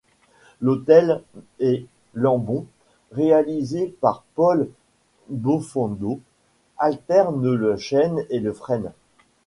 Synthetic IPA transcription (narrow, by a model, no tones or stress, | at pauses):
lot̪ɛle | lɑ̃bɔ̃ | ʁealizepaʁpɔl | bofɑ̃d̪o | alt̪ɛʁnləʃɛneləfχɛn